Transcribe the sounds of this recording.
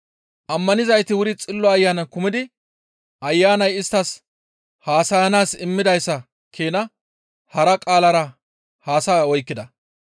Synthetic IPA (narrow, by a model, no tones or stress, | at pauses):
ʔɐmːɐnɪzɐjt̪ɪwʊɾɪt͡sʼɪlːɔɐjːaːnɐnkʊmɪd̪ɪ | ʔɐjːaːnɐjɪst̪ːɐs | haːsɐjɐnaːsɪmːɪd̪ɐjsːɐ | kʰeːnɐ | hɐɾɐkʼaːlɐɾɐ | haːsaːɔjkːɪd̪ɐ